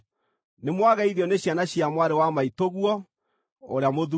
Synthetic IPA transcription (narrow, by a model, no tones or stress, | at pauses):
nemwaɣɛiðjɔneɕjanaɕjiamwaɾewamaitoɣwɔ | oɾeamoðu